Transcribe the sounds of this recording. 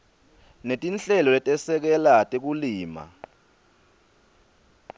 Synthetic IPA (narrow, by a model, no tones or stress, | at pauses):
netʼinɬɛlɔlɛtʼɛsɛk̬ɛlatʼek̬uliːma̰